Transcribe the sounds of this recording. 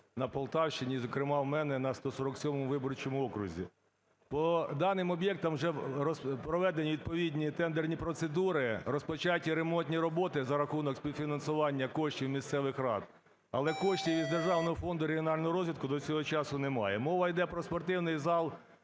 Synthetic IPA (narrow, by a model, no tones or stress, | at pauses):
nɐpɔlˠt̪ɑwʃt͡ʃɪnʲizɔkɾɪmɑwmɛnɛnɐst̪ɔsɔɾɔksʲɔmɔmʊʋɪbɔɾʊt͡ʃɔmʊɔkɾʊzʲḭ | pɔd̪ɑnɪmɔbʲjɛk̚t̪ɐmwʒɛɔspɾɔʋɛd̪enʲːiʋʲid̪̚pɔʋʲidʲnʲit̪ɛnd̪ernʲipɾɔt̪sed̪uɾɪrɔspɔt͡ʃɑtʲːiɾemɔnʲt̪ʲnʲiɾɔbɔt̪ɪzɐɾɐxunɔksʲpʲiwfʲinɐnsʊʋɑnʲːɐkɔʃtʲiwmʲist̪sɛʋɪxɾɑ̰d̪ | ɐ̰lˠɛkɔʃtʲiwizd̪erʒɑwnɔɦɔfɔnd̪ʊɾeɦijɔnɑlʲnɔɦʊɾɔzʲʋʲid̪̚kʊd̪ɔt͡sʲɔɦɔt͡ʃɑsʊnemɑjɛmɔʋɐjd̪ɛpɾɔspɔrt̪ɪwnɪjzɑlˠ